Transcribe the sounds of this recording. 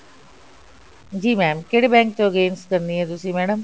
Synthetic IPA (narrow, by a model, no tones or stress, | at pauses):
d͡ʒiːmɛːmkeɽeːbɛ̃ːŋk̚t̪õːɡeːnskəɾniːɦɛ̃ːt̪ʊsĩːmɛːɽəm